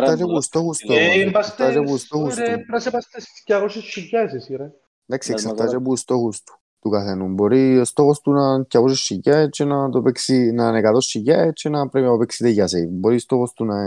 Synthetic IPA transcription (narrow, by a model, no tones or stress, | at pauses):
t̪ɐt͡ʃepust̪oxust̪ubɐst̪at͡ʃepust̪oxustepɾɐsepɐst̪esi̥scɐɣosiʃicɐsisiɾɐ | nd̪aksiesɐft̪ɐt͡ʃepust̪o̞xust̪u̥ | t̪ukɐθenumbo̞ɾist̪o̞xost̪unɐcːɐɣos̬iʃicɐt͡ʃʰenɐt̪opeksinɐːnekɐt̪o̞sːiʝɐt͡ʃʰenɐpɾepinɐopeksit̪eʝɐseibo̞ɾist̪o̞xo̞st̪unɐ